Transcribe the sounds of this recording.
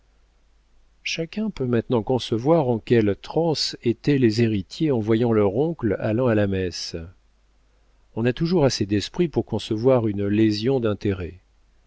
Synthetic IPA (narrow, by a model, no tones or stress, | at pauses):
ʃakʲɛ̃pømɛ̃t̪nɑ̃kɔ̃səvwaʁɑ̃kʲɛlt̪χɑ̃set̪ɛlezeʁit̪jeɑ̃vwajɑ̃lœʁɔ̃kla̰lɑ̃alamɛs | ɔ̃nat̪uʒuʁased̪ɛspχipuʁkɔ̃səvwaʁynlezjɔ̃d̪ɛ̃t̪eʁɛ